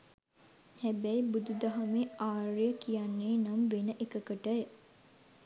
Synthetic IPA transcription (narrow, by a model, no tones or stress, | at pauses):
hæbɛjbud̪ud̪aɦameaːrijəkijanːeːnamʋenəʔekəkəʈəjə